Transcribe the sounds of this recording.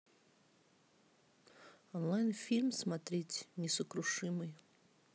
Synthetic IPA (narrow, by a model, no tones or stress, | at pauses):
ɔnlˠajnfʲilʲmsmɐt̪ɾʲetʲnʲɪsəkɾʊʂɨmɨj